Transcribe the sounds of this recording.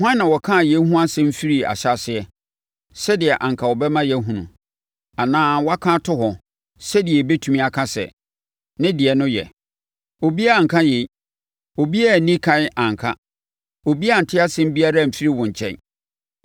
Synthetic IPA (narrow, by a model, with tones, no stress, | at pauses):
hã˦nː˦ã˨wɔ˨kʰã˦˨jɛ˦ɦũ˦a˦sɛ̃˦m̩˦fi˦ɾi˦a̰˨ɕa˦sɪ˨ɛ˦ | sɛ˦dɪ˨ɛ˨ʔã˨ŋ˨kʰa˨wɔ˨bɛ˦mã˦jɛ˦ɦũ˨nṵ̃˨ | a˨nãː˦wɔ˦a˦kʰã˦tʰʊ˦ɦɔ˨ | sɛ˦dɪ˨ɛ˨be˦tʰũ˨mĩ˦a˨kʰa˦sɛ̰˨ | nɪ̃˦dɪ˨ɛ˨nʊ̃˦jɛ̰˨ | o˨bi˦a˦a˨ŋ̩˨kʰã˦je˨˦ | o˨bi˦a˦˨nĩ˦kʰã˦ʔã˨ŋ˨kʰa˦ | o˨bi˦a˦˨n̩˨tʰɪ˦a˦sɛ̃˦m̩˦bi˦a˦ɾa˦˨m̩˨fi˦ɾi˦wʊ̃˨ɲ˨t͡ɕʰɛ̰̃˦˨n